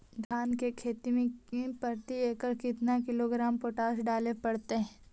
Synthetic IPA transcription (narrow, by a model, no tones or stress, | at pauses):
d̪ʱaːnkekʰeːt̪imẽẽpɐɾt̪ieːkəɾkɪt̪nakɪloɡɾaːmpoːʈaːʃɖaːlepɐɽt̪eɦɛ̃ː